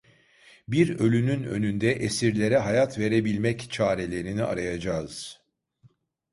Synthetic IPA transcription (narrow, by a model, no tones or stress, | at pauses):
biɾø̞lʲynynø̞̰nynd̪ɛʔesiɾlʲe̞ɾɛɦajat̪ʰve̞ɾe̞bilʲmɛct͡ʃʰaːɾe̞lʲe̞ɾiniʔa̰ɾajad͡ʒaːɯz̥